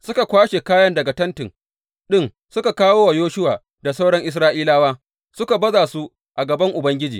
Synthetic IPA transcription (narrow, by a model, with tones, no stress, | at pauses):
sʊ˦ka˨kʷaː˦ʃe˨kaː˦jɐ˦ndɐ˨ɡa˨tɐ˦ntɪ˨ŋ | ɗɪ˦n | sʊ˦ka˨kaː˦woː˦wa˨joː˦ʃʊ˦waː˨ | da˨sa˦wɽɐ˦ŋʔɪ˦s̬ɾaː˦ʔiː˦laː˦waː˦ | sʊ˦ka˨bɐ˦zaː˨su˦ | ʔa˨ɡɐ˨bɐ˦ŋʔʊ˨bɐ˦ŋɡʲɪ˦d͡ʒḭː˨